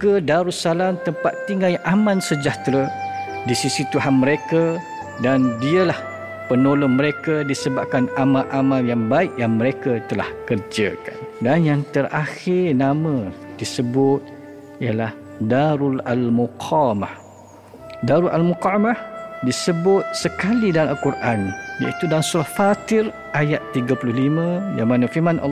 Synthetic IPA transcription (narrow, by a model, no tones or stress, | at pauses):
kədaɾusalamt̪əmpat̪ːiŋajʔamãnsəd͡ʒaht̪ɾə | disisit̪uɦanməɾekə | dandiəlah | pənolɔnməɾekədisəbap̚kanamaʔamaljaŋbaɪʔjaŋməɾekət̪əla̰hkərd͡ʒəkandanjaŋt̪əraxɪrnamə̃d̥isəbʊt̪̚ | ijəlah | daɾulalmuqʰamah | daɾulʔa̰lmuqamahdisəbʊt̪̚səkalidanalkurʔanja̰it̪udaansuɾahfat̪ɪr | ʔajat̪ːiɡəpəlʊɦlimə̃jamanə̃firmanʔa̰